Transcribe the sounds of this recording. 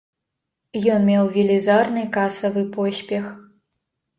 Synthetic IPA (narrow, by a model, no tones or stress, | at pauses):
jɔnmʲɛwvʲilʲizarnɨkasɐvɨpɔsʲpʲɛx